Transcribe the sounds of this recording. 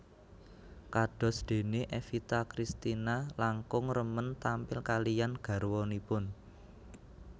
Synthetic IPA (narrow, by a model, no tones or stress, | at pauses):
kaɖ̥ɔ̤sd̪̥e̤neʔefit̪akɾist̪inalaŋkʊŋrəmənt̪ampɪlkalijanɡ̥ä̤ɾwɔnipʊn